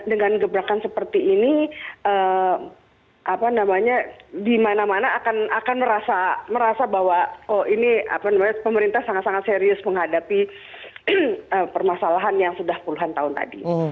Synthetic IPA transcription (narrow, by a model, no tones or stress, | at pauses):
dəŋanɡəbɾakansəpərt̪iːniə | ʔapanamaɲadimanamanaːkanakanməɾasaməɾasabaɦwaoinia̰panamaɲapəməɾint̪ahsaŋat̪saŋat̪seɾiʊsməŋɦadapi | əpərmasalaɦanjaŋsudahpuluɦant̪aɦʊnt̪a̰dḭ